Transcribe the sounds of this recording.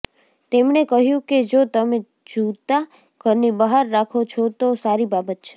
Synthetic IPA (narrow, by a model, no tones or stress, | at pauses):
t̪emɳekəɦjũked͡ʒot̪əme | d͡ʒũt̪a | kəɾnibəɦaɾːakʰot͡ʃʰɔt̪osaɾibabət̪̚t͡ʃʰe̥